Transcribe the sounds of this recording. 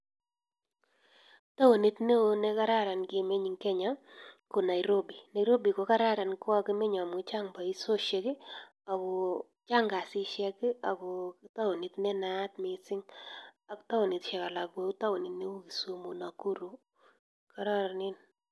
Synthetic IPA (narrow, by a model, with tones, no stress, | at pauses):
ta˦wo˨ni˦tne˦o˦nɛ˦ka˦ɾa˦ɾa˨nkɪ˨me˦ɲi˨ŋkɛ˦ɲa˦ko˨na˨ɪɾo˦bi˨na˨jɾo˦bi˨ko˨˦ka˦ɾa˦ɾa˨nka˦ki˦me˦ɲa˨mʊ˨t͡ʃa˦ŋba˨i˦so˦ʃe˨kɪ˦ | a˨kɔ˨ | t͡ʃa˦ŋɡa˨sɪ˦ʃjɛ˦kɪ˦a˨kɔ˨ta˦wo˨ni˨tnɛ˦na˦tmɪ˨sɪ˦ŋa˨kta˦wo˨ni˨tʃɛ˨ka˨la˨k̚bo˨u˦ta˦wo˨ni˨tne˦u˦ki˨so˨˦mo˨na˨ku˦ɾu˨ | ka˨ɾa˦ɾa˨nɪ˦n